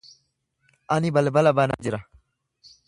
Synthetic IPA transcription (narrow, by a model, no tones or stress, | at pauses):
ʔɐnɪbɐlbɐlɐbɐna̰d͡ʒɪɾɐ